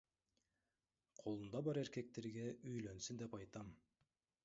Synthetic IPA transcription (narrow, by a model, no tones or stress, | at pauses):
qʰo̞lˠund̪ɑbɑɾe̞ɾke̞k̚t̪e̞ɾɡʲeʔyjlø̞nsynd̪e̞pɑjt̪ɑm